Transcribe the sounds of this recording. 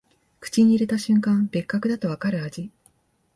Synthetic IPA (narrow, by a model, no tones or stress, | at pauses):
kɯ̟̥t͡ɕiɲ̟iːɾe̞t̪aɕɨ̃ŋkãmbe̞kːakɯ̟d̪at̪o̞βakaɾɯ̟ad͡ʑi